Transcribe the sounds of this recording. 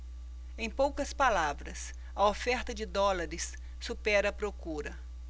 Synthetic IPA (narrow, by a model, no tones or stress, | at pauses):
ẽj̃powkɐspalavɾɐs | ɐofɛɾt̪ɐd͡ʒɪd̪ɔlaɾɪsː | upɛɾɐːpɾokuɾɐ